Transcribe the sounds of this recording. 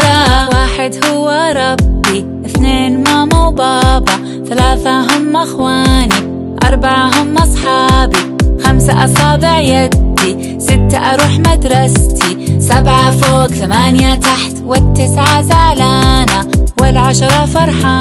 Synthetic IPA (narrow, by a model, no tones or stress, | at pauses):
waːħɪd̪hʊwːaɾˤɑbːi | ʔɪθneːnmaːmawbɑːbɑ | θalaːθaɦʊmːʔaxwaːni | ʔɑɾˤbaʕaɦʊmːʔɑsˤħɑːbixamsaʔɑfɑːb̪ˤɪʕjad̪ːi | sɪt̪ːaʔɑɾˤuːħmad̪ɾˤɑst̪isabʕafoːɡθamaːnjat̪aħt̪wɪt̪ːɪsʕazaːlaːnawɪlʕaʃɑɾˤɑfɑɾˤħa